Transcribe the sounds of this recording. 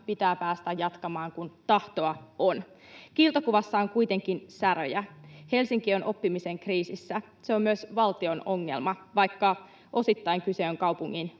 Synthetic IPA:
pit̪æːpæːst̪æjːɑt̪kɑmɑːŋkunt̪ɑht̪o̞ɑon | kiːlt̪okuʋɑsːɑoŋkujt̪e̞ŋkinsæɾø̰jæhe̞lsiŋk̟io̞nʔo̞pːimise̞ŋkriːsisːæ | seo̞mmyøsʋɑlt̪io̞no̞ŋːe̞̰lmɑʋɑjkːɑ | ʔo̞sit̪ːɑiŋkyse̞oŋkɑwpuŋːin

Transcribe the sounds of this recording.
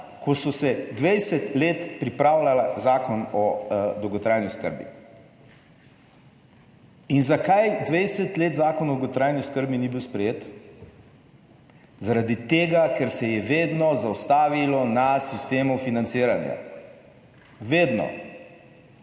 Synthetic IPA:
kʰɔsɔsɛd̪ʋɛjsɛt̪leːt̪pɾipɾawlalazaːkɔnɔd̪ɔwɡɔt̪ɾaːjniskə̰ɾbḭ | inzakajd̪ʋɛjsɛt̪leːt̪zaːkɔnɔd̪wɡɔt̪ɾajniskəɾbinibiwspɾɛjeːt̪ | zaɾad̪it̪eːɡakɛɾsɛjɛʋeːd̪nɔzawst̪aːʋilɔnasist̪eːmufinant̪siːɾanja̰ | ʋeːd̪nɔ̰

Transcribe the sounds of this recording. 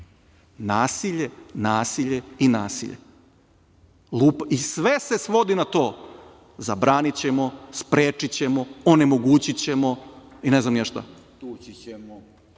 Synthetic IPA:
naːsiʎenaːsiʎe̞inaːsḭʎḛ | lˠuːpisʋese̞sʋo̞d̪inat̪o̞ː | zabɾaːnit͡ɕe̞mo̞spɾeːt͡ʂit͡ɕemo̞one̞mo̞ɡuːt͡ɕit͡ɕe̞mo̞ineznamjaʃt̪a̰ | t̪ut͡ɕiemo

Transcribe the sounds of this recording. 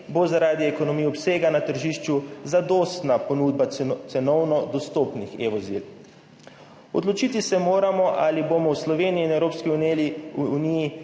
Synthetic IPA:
bozaɾaːd̪iɛkonɔmijɔpseːɡanat̪əɾʒiːʃt͡ʃuzad̪ɔːst̪naponuːd̪̚bat̪sɛnɔwnɔd̪ɔst̪opnixeʋɔzḭl | ɔ̰d̪lɔt͡ʃit̪isɛmoːɾamɔʔalibomɔwslɔʋeːnijiːnɛwɾoːpski | uniji

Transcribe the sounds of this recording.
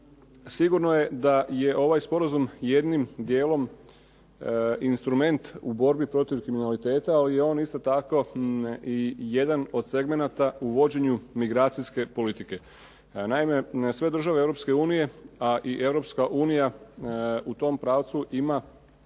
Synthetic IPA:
siɡuɾno̞je̞d̪aje̞ʔo̞ʋajspo̞ɾazumje̞d̪nimd̪jeːlo̞m | inst̪ɾume̞nt̪ubo̞ɾbipɾo̞t̪iʋkɾiminalit̪e̞ːt̪aːlijeo̞ːnist̪o̞t̪ako̞ | ije̞d̪ano̞d̪se̞ɡme̞nat̪auʋo̞d͡ʑe̞ɲumiɡɾaːt̪siske̞po̞lit̪ike̞ | naime̞sʋe̞d̪ɾ̩r̩ʒaʋeeʋɾo̞pske̞uːnije̞aʔiʔe̞ʋɾo̞pskaʔuːnija | ut̪o̞mpɾaːʋt̪suʔima

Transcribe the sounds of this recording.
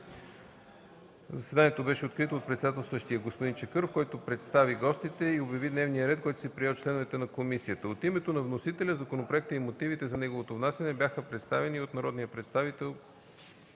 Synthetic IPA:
zɐsvɛd̪anijɛt̪obɛʃɛot̪kɾit̪oːt̪pɾɛt̪sɛd̪at̪ɛlˠsɤʃt̪ijəɡospod̪int͡ʃɛkɤɾfkɔjt̪opɾɛt̪st̪aviɡɔst̪it̪ɛiobjɐvid̪nɛvnijəɾɛt̪̚kɔjt̪o̥sɛpɾijɛt̪̚t͡ʃlɛnovɛt̪ɛnɐkomisiət̪əot̪imɛt̪onɐvnosit̪ɛlʲəzɐkonopɾoɛk̚t̪əimot̪ivit̪ɛzɐnɛɡovot̪ovnasɛnɛbʲjaxəpɾɛt̪st̪avɛniot̪nɐɾɔd̪nijəpɾɛt̪st̪avit̪ɛlˠ

